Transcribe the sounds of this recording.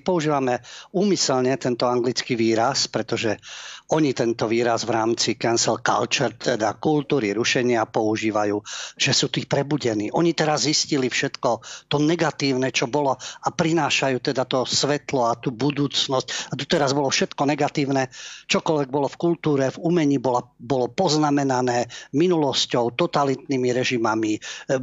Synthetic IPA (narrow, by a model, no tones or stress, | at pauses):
pɔuʒiːʋamɛuːmisɛlɲɛt̪ɛnt̪ɔaŋɡlit͡skiʋiːɾaspɾɛt̪ɔʒɛɔɲit̪ɛnt̪ɔʋiːɾazʋɾaːmt͡sikɛnsɛlka̰lt͡ʃɛɾt̪ɛd̪akult̪uːɾiɾuʃɛɲɪapɔuʒiːʋajuːʒ̥ɛsuːt̪iːpɾɛbuɟɛniːʔɔɲit̪ɛɾazziscilifʃɛt̪kɔt̪ɔnɛɡat̪iːʊnɛt͡ʃɔbɔlɔapɾinaːʃajuːt̪ɛd̪at̪ɔsʋɛt̪lɔat̪uːbud̪uːt͡snɔscad̪ɔt̪ɛɾazbɔlɔfʃɛt̪kɔnɛɡat̪iːʊnɛt͡ʃɔkɔlʋɛɡ̚bɔlɔfkult̪uːɾɛvumɛɲiːbɔlabɔlɔpɔznamɛnanɛːminulɔscɔʊt̪ɔt̪alit̪nimiɾɛʒimami